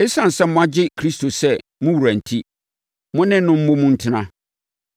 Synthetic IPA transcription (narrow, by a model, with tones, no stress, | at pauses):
e˦sã˨n̩˨sɛ˦mʊ̃˦a˦d͡ʑɪ˦kʰɾi˦stʰo˨sɛ˦mʊ̃˦wu˨ɾæ̃˨n̩˨tʰi˦ | mʊ̃˦nɪ̃˦nʊ̃˦m̩˦mʊ̃˦mũ˦n̩˦tʰɪ˦nã˦